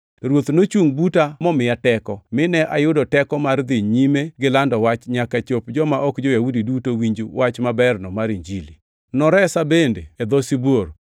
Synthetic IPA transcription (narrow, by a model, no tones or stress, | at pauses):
ɾwot̪not͡ʃuŋbutamɔmɪjatɛkɔmɪnɛʔajʊdɔtɛkɔmard̪ɪɲɲimeɡɪlandɔwat͡ʃɲakat͡ʃopd͡ʒɔmaʔɔkd͡ʒɔjawudidutowiɲd͡ʒowat͡ʃmabɛrnɔmaɾiɲd͡ʒili | nɔɾɛsabendeɛd̪ɔsiboɾ